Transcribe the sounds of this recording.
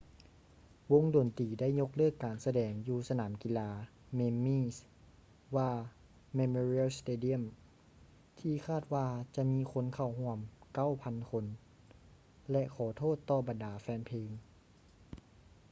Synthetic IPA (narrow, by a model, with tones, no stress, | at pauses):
wo˧˥ŋdoː˨˩nt̪iː˨˩da˥˩˨jɲo˧˥k̚lɤː˥˩kːaː˨˩nsa˧dɛː˨˩ŋjuː˧sa˧naː˩˦mki˧˨laː˧ | me˧mːiː˧˥˨s | waː˧˩ | me˧moː˧ɾi˧˥˨lst̪eː˧di˧˥˩ə˨m | t̪ʰiː˧˨kʰaː˧˥˩t̪̚waː˧t͡ɕa˧miː˧˥kʰo˧˥˨nkʰa˧˩wɦu˧˥˨əmka˥˩˨wpʰa˧˥nkʰo˧˥n | lɛ˧ʔkʰɔː˨˩˦t̪ʰoː˥˩t̪ːɔː˧˩ba˨ndaː˨˩˦fɛː˧npʰeː˧ŋ